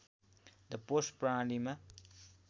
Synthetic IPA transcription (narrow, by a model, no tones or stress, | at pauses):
d̪əpospɾãːɖimɐ